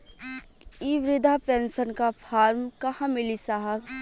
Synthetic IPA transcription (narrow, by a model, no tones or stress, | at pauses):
iːʋɾɪd̪ʱapensənkapʰaːɾmkɐhãmɪlisaɦəb